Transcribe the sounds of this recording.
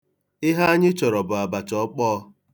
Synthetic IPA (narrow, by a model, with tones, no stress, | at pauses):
ɪ˦ɦa˦ɲɪ˦t͡ʃɔ˨ɾɔ˨bʊ˨a˨ba˨t͡ʃɔ˦k͡pɔː˦